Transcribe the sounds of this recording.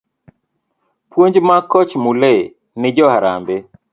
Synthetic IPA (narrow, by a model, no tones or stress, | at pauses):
pwoɲd͡ʒmakɔt͡ʃmule | nɪd͡ʒɔhaɾa̰mbe